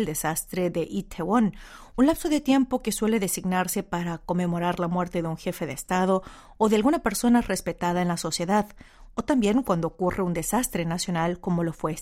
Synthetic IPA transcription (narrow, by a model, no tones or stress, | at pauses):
ld̪e̞sast̪ɾe̞ðeʔit̪ʰewonunlapso̞ðe̞t̪je̞mpo̞ke̞swe̞le̞ðe̞siɡnaɾse̞paɾako̞me̞mo̞ɾaɾlamwe̞ɾt̪e̞ðeuŋxe̞fe̞ðeːst̪að̞o̞ː | ðe̞alɣunape̞ɾso̞nare̞spe̞t̪aðaenlaso̞sje̞ðaðot̪ambje̞ŋkwand̪ookurʔe̞und̪e̞sast̪ɾe̞nasjo̞nalko̞mo̞lo̞fwe̞